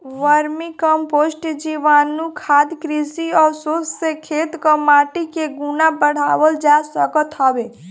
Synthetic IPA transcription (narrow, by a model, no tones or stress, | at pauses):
ʋəɾmikəmposʈd͡ʒiʋaːnːukʰad̪kɾisiɔːɾsosːekʰet̪kəmaːʈikeɡunabəɽ̤aːʋəld͡ʒasəkət̪ɦəbe